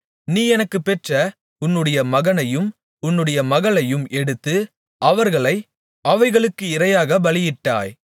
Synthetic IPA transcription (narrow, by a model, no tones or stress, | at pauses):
niːɛnɐkːɯpːɛʈrɐ | ʊnːɯɽɐjɐmɐɣɐnɐjɯm | ʊnːɯɽɐjɐmɐɣɐɭɐjɯmɛɽɯt̪ːɯ | ʔɐʋɐɾɣɐɭɐɪ | ʔɐʋɐɪɣɐɭɯkːɯɪɾɐjaːɣɐbɐɭɪjɪʈːa̰ːj